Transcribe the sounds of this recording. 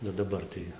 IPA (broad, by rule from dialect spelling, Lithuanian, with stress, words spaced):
nʊ dɐˈbɐr tɐɪ